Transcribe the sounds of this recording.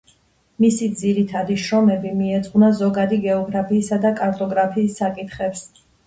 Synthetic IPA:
misid̪ziɾit̪ʰad̪iʃɾɔmɛbimiɛt̪sʼqʼwnazɔɡad̪iɡɛɔɡɾapʰiːsad̪akʼaɾt̪ʼɔɡɾapʰiːsːakʼit̪ʰχɛps

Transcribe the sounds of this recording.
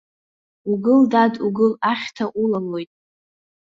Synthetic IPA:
uɡɨldaduɡɨlaχʲtʰaʔulallo̞jtʼ

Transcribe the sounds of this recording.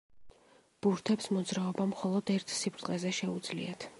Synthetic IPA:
b̥uɾt̪ʰɛpsmɔd̪zɾaɔbamχɔlˠɔd̪ɛɾt̪ʰsipʰɾt̪ʼqʼɛzɛʃɛud̪z̥lḭat̪ʰ

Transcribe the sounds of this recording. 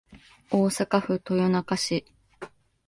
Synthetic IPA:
o̞ːsakaɸɯ̟t̪o̞jonakaɕi

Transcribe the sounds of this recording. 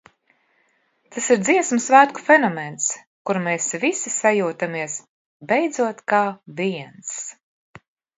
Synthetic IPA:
t̪asiɾd̪ziɛsmɨsvæːt̪ku̥fenɔmens | kuɾmeːsvisisajuːt̪amiɛs | bɛjd̪zuɔt̪kaːviɛns

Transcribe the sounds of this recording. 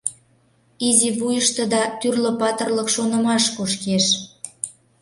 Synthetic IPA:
iziβujəʃt̪ə̆d̪ɑt̪yrlə̆pɑt̪ərləkʃonə̆mɑʃkuʃkeʃ

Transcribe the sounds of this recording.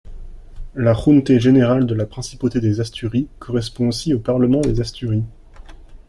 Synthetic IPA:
laχunt̪eʒeneʁald̪əlapχɛ̃si̥pot̪ed̪ezast̪yʁikʰɔʁɛspɔ̃osiopaʁləmɑ̃d̪ezast̪yʁi

